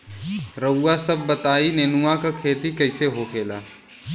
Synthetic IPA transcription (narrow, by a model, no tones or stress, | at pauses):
ɾəːasɐbːɐt̪aːineːnuakakʰeːt̪ikɐɪseɦokʰeːla̰ː